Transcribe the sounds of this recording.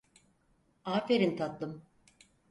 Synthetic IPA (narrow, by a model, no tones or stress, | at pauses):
aːfeɾint̪ʰat̪lˠɯm